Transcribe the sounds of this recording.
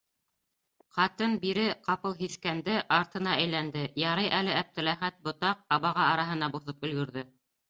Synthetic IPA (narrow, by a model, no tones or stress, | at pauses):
qɑt̪ɤnbiɾɘqɑpɤlˠɦiθkænd̪ɘʔɑɾt̪ɤ̆nɑʔæjlænd̪ɘjɑɾɤjʔælɘæp̚t̪ɘ̆læχæt̪̚bŏt̪ɑq̚ɑβɑʁɑɑɾɑɦɤ̆nɑbuθɤpɵ̆lɡɵ̆ɾðɵ